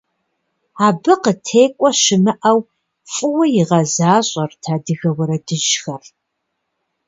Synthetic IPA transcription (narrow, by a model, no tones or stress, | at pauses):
aːbɨqətʰeːkʷʼɔʃɪmɨʔɐw | fʼɨwɐjɪʁɐzaːɕʼɐrtʰaːdɨɣɐwɐɾɐdɨʒxɐr